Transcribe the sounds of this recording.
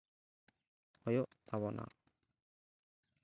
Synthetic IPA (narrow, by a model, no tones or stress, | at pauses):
hɔjɔʔawɔnʔa̰